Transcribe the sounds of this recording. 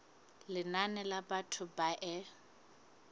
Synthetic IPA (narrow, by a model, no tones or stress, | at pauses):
lɪnanɛlabatʰʊbaʔɛ